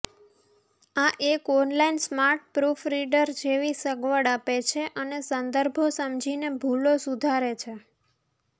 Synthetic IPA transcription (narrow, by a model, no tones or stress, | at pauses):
aʔekɔnlainsmaɾʈ̚pɾufɾiɖəɾd͡ʒeʋisəɡʋəɽapet͡ʃʰeʔənesənd̪əɾbʱosəmd͡ʒʱinebʱulosud̪ʱaɾet͡ʃʰe